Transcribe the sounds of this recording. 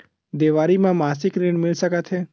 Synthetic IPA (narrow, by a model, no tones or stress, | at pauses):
d̪eʋaɾimãmasɪkɾiɳmɪɭsəkat̪ʰe